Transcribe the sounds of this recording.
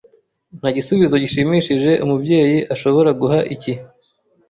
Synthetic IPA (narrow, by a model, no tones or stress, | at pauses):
n̥haːɟisuβizo̞ɟiʃimiːʃiʒe̞ʔumubɟe̞ːjiʔaʃo̞βo̞ɾaɡuɦaʔici